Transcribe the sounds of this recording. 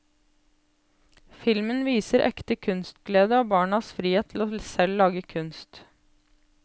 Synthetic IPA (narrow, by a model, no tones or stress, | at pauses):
fɪlmənʋiːsəɾʔɛ̰kt̪əkʰʉnst̪̚ɡleːd̪əɑːbɑːɳɑsfɾiːheːt̪ʰl̩osɛllɑːɡəkʰʉnst̪